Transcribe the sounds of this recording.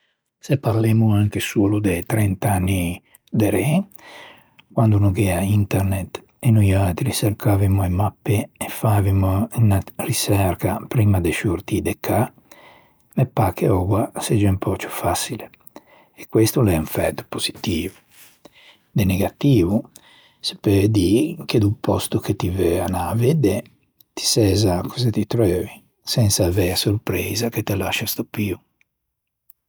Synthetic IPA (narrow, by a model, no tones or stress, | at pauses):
sepːaɾlemuaŋkesuːlud̪et̪ɾɛnt̪anːi | d̪eɾe | kwand̪unukɛaint̪ɛɾnet̪ | enujalt̪ɾiseɾkʰaːvimuemapːeːfːavimuinarisɛɾkapɾiːmad̪eʃuɾt̪id̪ekːa | mepːakeɔɡwased͡ʒɛmpʰɔt͡ʃu̥fasile | ɛkwest̪ulɛuɱfɛ̰t̪ːu̥poz̥it̪iːvu | d̪ɛneɡat̪iːvu | se̥ped̪iked̪upɔst̪uket̪ivɛanaved̪ɛ | t̪i̥sɛzakʰɔzɛt̪it̪ɾøːvi | sɛnsaːvɛasoɾpɾɛːzaket̪elaʃast̪opiu